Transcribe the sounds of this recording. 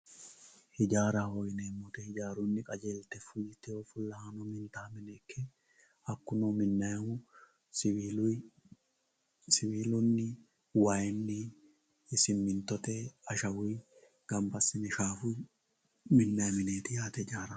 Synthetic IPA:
hɪd͡ʒaːɾahojneːmːɔt̪ɛhɪd͡ʒaːɾʊnːɪkʼɐd͡ʒeːlt̪ɛfʊjɪt̪ːɛoːfʊlːɐhɐnɔmɪnt̪aːmɪnɛkʰːɛ | ɐkːʊnomɪnːɐhʊ | l | sɪwiːlʊnːɪ | waːjɪnːɪ | ɪsɪnmɪnt̪ɔt̪eɐʃɐwʊj | ɡ̥ɐmbɐsɪnɛʃaːfʊj | mɪnːɐjmɪneːt̪ɪjaːt̪ɛd͡ʒaːɾɐ

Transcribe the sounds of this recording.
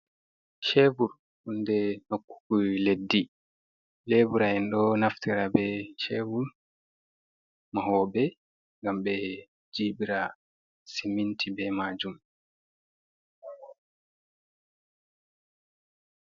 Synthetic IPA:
ʃevuɾ | hundɛnokːu̥kuledːi | leːbuɾaɛnɗɔnaftɛɾabɛʃeːvul | maɦɔːbɛ | ŋɡambɛ | d͡ʒibiɾa | simːintʰibɛmaːd͡ʒum

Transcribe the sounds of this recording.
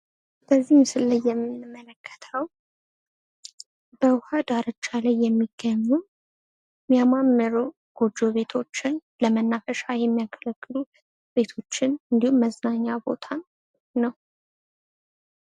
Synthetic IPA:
b̥əzːihmsɨlːəjːɛmːɨnmːələkʰːə̥t̪ʰəw | b̥əwhad̪aɾət͡ʃːalajːɛmːiɡ̥ːəɲːu | mijamamːəɾu | ɡ̥o̞d͡ʒːo̞βe̞t̪ʰo̞t͡ʃːɪn | ləmənːafəʃajɛmːijakʰələkʼːɨlu | be̞t̪ʰo̞t͡ʃːɪnɨnd̪ihumːəznaɲːabo̞̰t̪ʰa | nəw

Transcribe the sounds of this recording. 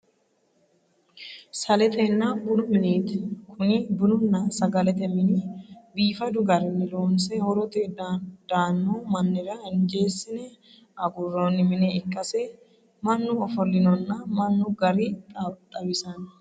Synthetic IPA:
sɐlɛt̪ɛnːaːnbʊlʊmɪniːt̪ɛ̥kʰʊnɪbʊlʊnːasɐɡɐlɛt̪ɛmɪnibiːfɐd̪ʊɡɐɾɪnːɪloːnsɛhɔɾɔt̪ʼed̪̥aːnːuːmɐnːɪɾɐhɪnd͡ʒe̞ːsːɪnɛ | ʔɐɡʊrːoːnːɪmɪnɛɪkʼːɐse | mɐnːuɔfɔlːɪnɔnːamɐnːuːɡɐɾiːt̪ʼɐt̪ʼɐbɪsɐn

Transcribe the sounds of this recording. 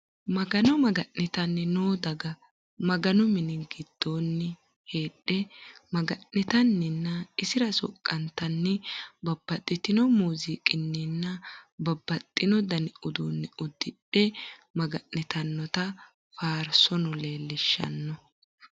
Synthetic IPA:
mɐɡɐnɔmɐɡɐʔːɪt̪ɐnːɪnoːd̪ɐɡɐ | mɐɡɐnʊmɪnɪɡɪd̪̥ːoːnːɪ | he̞ːɗːɛmɐɡɐnːɪt̪ɐnːɪnːɐɪsɪɾɐsɔ̰kʼːɐnt̪ɐnːɪbɐbːɐt̪ʼːɪt̪ɪnɔmuːzikʼɪnːɪnːɐbɐbːɐt̪ʼːɪnɔd̪ɐnɪʊd̪uːnːɪʊd̪ːɪɗɛmɐɡɐʔːɪt̪ɐnːɔt̪ɐ | faːɾsɔnʊle̞ːlːɪʃːɐ̰nːɔ

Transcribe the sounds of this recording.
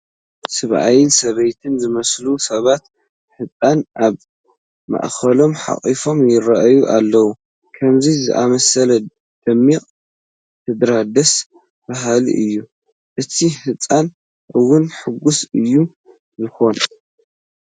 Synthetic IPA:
sɨβʔa̰jɪsɐβɐjt̪ʰɨnzɨmɐslusɐβat̪ | ħɨt͡sʼanʔaβ | mɐ̰ʔxɐlo̞mħa̰χʼifo̞mjɪɾɐʔjuʔalːɐwu | kʰɐmzizɨ̰ʔamɐsɐlɐ | d̪̥ɐmːiqʼ | t̪ʰɨd̪ɾad̪ɐs | baɦalḭʔɨjːu | ʔɨt̪ʰiħɨt͡sʼːan | ʔɨwːʊnħɨɡusɨjːu | zɨxo̞n

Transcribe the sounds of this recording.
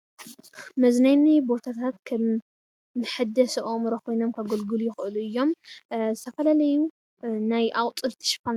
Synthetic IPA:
mɐznajnibo̞t̪ʰat̪ʰat̪kʰɐmː | ɨħɨd̪ɐsɐʔomɾɐkʰo̞jno̞mkʰɐɡolɡɨlujɪxɨʔɨluɨjːo̞mzɨt̪ʰɐfɐlalɐju | najʔawʼt̪ʼɨlt̪ʰi̥ʃɨ̥pːan

